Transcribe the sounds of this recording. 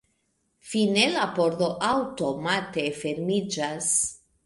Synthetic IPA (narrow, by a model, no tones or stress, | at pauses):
finelapo̞ɾdo̞ʔawto̞mate̞fe̞ɾmid͡ʒas